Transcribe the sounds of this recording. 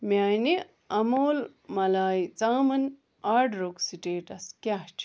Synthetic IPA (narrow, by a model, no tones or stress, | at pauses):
maːjni | ɐmoːl | mɐlaːjt͡saːmɐn | aːɖɾoksiʈeːʈɐskʲaht͡ʃʰ